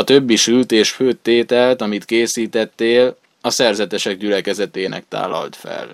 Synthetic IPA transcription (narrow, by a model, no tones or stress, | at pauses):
ɒt̪øbːiʃylt̪eːʃføːt̪ːeːt̪ɛlt̪ɒmit̪keːsiːt̪ɛt̪ːeːl | ɒsɛrzɛt̪ɛʃɛɡ̚ɟylɛkɛzɛt̪eːnʔɛ̰k̚t̪a̰ːlːɒ̰lt̪fɛ̰l